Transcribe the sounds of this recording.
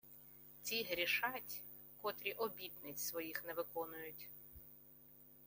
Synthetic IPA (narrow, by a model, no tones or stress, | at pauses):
t͡sʲiɦɾʲiʃɑtʲ | kɔt̪ɾʲiʔɔbʲit̪nɪt͡sʲsʋɔjixneʋɪkɔnʊjʊtʲ